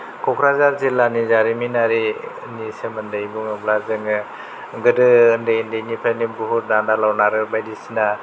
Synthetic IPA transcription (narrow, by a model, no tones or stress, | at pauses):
kʰɔkʰɾazaɾzilanizaɾiminaɾi | nisemɯndɯjbuŋɯblazɯŋɯ | ɡɯdɯɯndɯjndɯjnipʰajnibuɦuɾ̚dandalawnaɾɯɾbajdisina